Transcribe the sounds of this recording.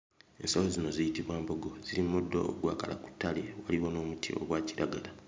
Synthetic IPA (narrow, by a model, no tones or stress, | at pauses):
e̞̰nsolozino̞zijitiβwaːmbo̞ɡo̞z̥iɾimudːo̞̰ːɡwaːkala̰ku̥tːalewaliwono̞ːmutʰḭʔo̞̰ɡwaːciɾaɡala